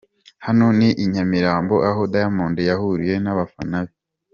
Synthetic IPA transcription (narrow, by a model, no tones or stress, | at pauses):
hano̞niʔiɲamiɾaːmbo̞ʔaɦodajamoːndejaɦuɾije̞naβafanaβi